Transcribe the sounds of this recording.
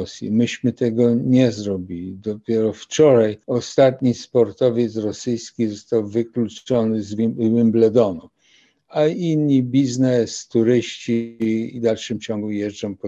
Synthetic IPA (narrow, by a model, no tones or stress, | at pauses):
ɔsʲjḭmɘɕmɘt̪ɛɡɔɲɛzɾɔbʲilʲid̪ɔpʲjɛɾɔft͡ʂɔɾajɔst̪at̪ɲispɔɾt̪ɔvʲjɛt̪sɾɔsɘjskʲizɔst̪awvɘkluɔnɘzwimblɛd̪ɔnɔ | ainɲibʲiznɛst̪uɾɘɕt͡ɕid̪alʂɘmt͡ɕɔŋɡujɛʐɔ̃w̃pɔ